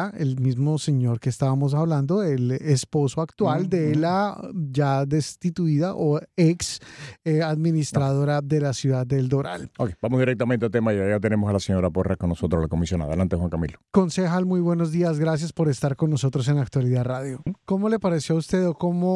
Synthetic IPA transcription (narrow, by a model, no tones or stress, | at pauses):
elmizmo̞se̞ɲo̞ɾke̞ːst̪aβamo̞s̬aβland̪o̞elespo̞soakt̪wald̪e̞lad͡ʒaðe̞st̪it̪uiðaʔoeks | aðminist̪ɾaðo̞ɾaðe̞lasjuðad̪ːe̞ld̪o̞ɾa̰lokebamozðiɾek̚t̪ament̪ealt̪emajat̪enemosalaseɲo̞ɾaporakonːosot̪ɾolakomisjona̰ðelant̪exwaŋkamḭloko̞nsexalmujbwe̞no̞zd̪iazɡɾas̬jaspo̞ɾe̞st̪aɾko̞nːo̞so̞t̪ɾo̞s̬e̞nak̚t̪waliðaraðjo̞ko̞mo̞le̞paɾe̞sjoaust̪e̞ðoko̞mo